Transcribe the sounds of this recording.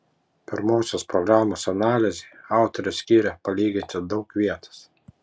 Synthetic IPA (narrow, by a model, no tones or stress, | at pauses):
pʲɪɾmoːsʲospɾɔɡɾɑːmoːsɐnɑːlʲɪzʲeɑˑʊt̪ɔɾʲɛsʲkʲiːɾʲɛpɐlʲiːɡʲɪnʲt͡ʃ̪ʲɛd̪ɒʊkʋʲiɛt̪ɐ̥s